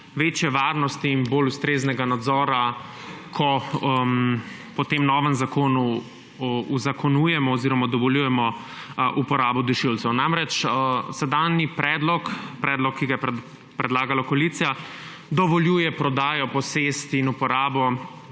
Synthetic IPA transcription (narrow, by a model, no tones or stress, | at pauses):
ʋeːt͡ʃjɛʋaːɾnɔst̪iːnbolust̪ɾeːznɛɡanad̪zɔːɾa | kʰɔ | pɔt̪emnɔːʋənzakoːnu | uzakɔnuːjɛmɔːziːɾɔmad̪ɔʋɔljuːjɛmɔ | ʔupɔɾaːbɔd̪uʃilt̪sɛwnamɾɛt͡ʃsɛd̪aːnipɾɛd̪lɔkpɾɛːd̪lɔkʰːiɡajɛ | pɾɛd̪laːɡalakoalit̪sija | d̪ɔʋɔljujɛpɾɔd̪aːjɔpɔsest̪iinupɔɾaːbɔ